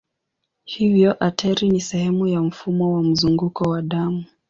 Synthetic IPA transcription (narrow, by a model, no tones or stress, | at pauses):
hivjɔʔatʰɛɾinisɛhɛmujam̩fumɔwam̩zuŋɡukɔwaɗamu